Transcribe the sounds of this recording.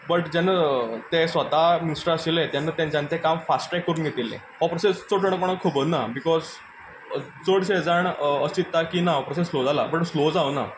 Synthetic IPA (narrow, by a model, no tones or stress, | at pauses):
bəʈd͡ʑanːat̪esʋət̪aminisʈəɾaɕilet̪janːat̪jãnt͡ɕãnt͡ɕekamfasʈɾɛkːəɾuːnɡʱet̪ilḛ̃ | ɔpɾəsest͡soʈʰəɳ̃koɳ̃akʰəbənabikɔz | t͡səɽsed͡zaɳəsit̪ːakiːnaɔpɾəsẽslod͡zala̰bəʈslod͡zaəna̰